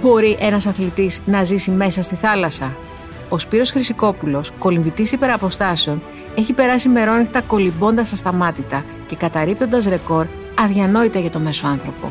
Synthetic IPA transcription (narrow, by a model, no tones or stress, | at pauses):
bo̞ɾiʔe̞nɐsɐθlit̪iznɐzisime̞sɐst̪iθɐlɐsɐ | o̞spiɾo̞sxɾisiko̞pulo̞sko̞liɱvit̪isipe̞ɾɐpo̞st̪ɐse̞o̞n | e̞çipe̞ɾɐsime̞ɾo̞nixt̪ɐko̞libo̞nd̪ɐsɐst̪ɐmɐt̪it̪ɐ | ce̞kɐt̪ɐɾip̚t̪ond̪ɐsɾe̞ko̞ɾ | ɐðʝɐno̞it̪ɐʝɐt̪o̞me̞so̞ɐnθɾo̞po̞̰